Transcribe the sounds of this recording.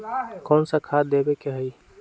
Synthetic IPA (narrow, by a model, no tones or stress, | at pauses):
kɔːnsakʰad̪ebekeɦəi